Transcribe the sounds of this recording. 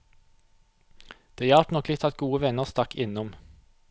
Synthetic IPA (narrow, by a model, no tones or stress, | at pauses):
d̪̥eːjɑlt̪nɔklɪt̪ʰɑt̪ɡuːəʋɛnəʁst̪ɑkʰɪnɔm